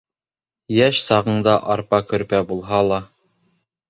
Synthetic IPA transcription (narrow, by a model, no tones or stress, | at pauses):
jæʃsɑʁɤ̆ɴd̪ɑʔɑɾpɑkɵ̆ɾpæbulˠɦɑlˠɑ